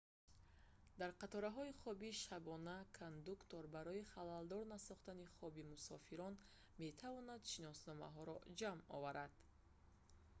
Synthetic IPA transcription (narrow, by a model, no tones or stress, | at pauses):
d̪aɾqat̪ɔɾaɦɔiχɔbiʃabɔnakʰand̪ukt̪ɔɾbaɾɔiχalald̪ɔɾnasɔχt̪aniχɔbimusɔfiɾɔn | me̞t̪ʰavɔnad̪ʃinɔsnɔma̰ɦɔɾɔd͡ʒamɔ̰vaɾad̪̥